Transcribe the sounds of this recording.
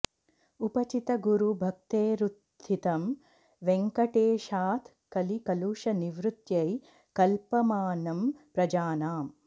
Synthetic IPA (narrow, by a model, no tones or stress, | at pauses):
upɐt͡ʃit̪ɐɡuɾubʱɐk̚t̪eːɾut̪ʰːit̪ɐm | ʋeŋkɐʈeːʃaːt̪ʰ | kɐlikɐluːʃɐniʋɾut̪jɐj | kɐlpɐmaːnɐmpɾɐd͡ʒaːnaːm